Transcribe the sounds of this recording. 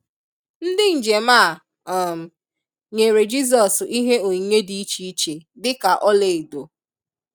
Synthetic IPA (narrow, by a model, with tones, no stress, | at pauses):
n̩˦dɪ˦n̩˨d͡ʒe˨ma˦˨ | ɔ˨m̩˨ | ɲe˨ɾe˨d͡ʒi˦z̬ɔ˨si˦ɦe˦o˨ɲe˦di˦i˦t͡ʃi˦i˦t͡ʃe˨dɪ˦ka˨ʔɔ˦le˨e˨do˨